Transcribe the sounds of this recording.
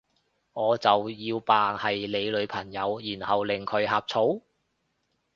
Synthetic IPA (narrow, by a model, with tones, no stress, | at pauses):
ŋɔː˨˧t͡sɐ˨wjiː˧wpaː˨ŋhɐ˨jle˨˧jlɵ˨˧ɥpʰɐ˨˩ŋjɐ˨˧wjiː˨˩nhɐ˨wlɪ˨˩ŋkʰɵ˨˧ɥɦaː˨p̚t͡sʰo˨˥w